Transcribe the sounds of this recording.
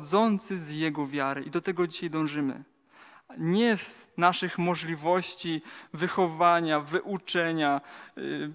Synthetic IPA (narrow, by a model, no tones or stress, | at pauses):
d̪zɔnt̪sɘzjɛɡɔvʲjaɾɘʔid̪ɔt̪ɛɡɔd͡ʑiɕajd̪ɔ̃w̃ʐɘmɘ̰ | ɲɛznaʂɘxmɔʐlʲivɔɕt͡ɕivɘxɔvaɲavɘʔut͡ʂɛɲa